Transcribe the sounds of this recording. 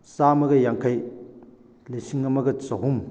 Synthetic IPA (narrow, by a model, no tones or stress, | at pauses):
samɐɡɐjaŋkʰaj | lesiŋːɐmɐɡɐt͡sɐɦum